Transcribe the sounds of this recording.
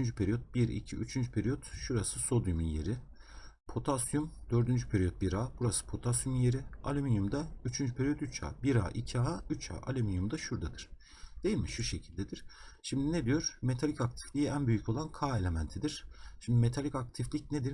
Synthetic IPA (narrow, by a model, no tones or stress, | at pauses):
ynd͡ʒypʰeɾijot̪̚biɾḭcʰḭʔy̰t͡ʃʰynd͡ʒypʰeɾijot̪ʃuɾasɯso̞d̪juminje̞̰ɾi | pʰo̞t̪ʰasjumd̪̥øɾd̪ynd͡ʒypʰeɾijot̪̚biɾaːbuɾasɯ̥pʰo̞t̪ʰasjumije̞ɾia̰lʲeminumd̪ayt͡ʃʰynd͡ʒypʰeɾijot̪yt͡ʃʰa̰ːbiɾa̰ːʔicʰiaayt͡ʃʰa̰ːʔalʲeminumd̪aʃuɾd̪ad̪ɯɾ̥ | d̪̥e̞jilʲmiʃuʃe̞cʰilʲd̪ed̪iɾ̥ʃimd̪ined̪ijo̞ɾme̞t̪ʰalʲicak̚t̪ʰi̥flʲiiænbyjycʰo̞lˠankʰaːe̞lʲe̞mænt̪ʰid̪iɾ̥ʃʰimd̪ime̞t̪ʰalʲicak̚t̪ʰiflʲic̚ned̪iɾ